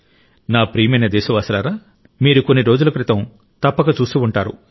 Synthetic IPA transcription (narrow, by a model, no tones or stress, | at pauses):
naːpɾijmɐjnɐd̪eːsɐʋaːsɐlaːɾaː | miːɾukonːiɾo̞ːd͡ʒulɐkɾit̪ɐm | t̪ɐpːɐɡɐt͡ʃuːsiuɳʈaːɾṵ